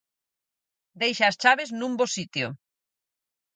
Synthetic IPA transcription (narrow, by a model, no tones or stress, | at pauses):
d̪ejʃaːst͡ʃaβeznũmbosit̪jo̰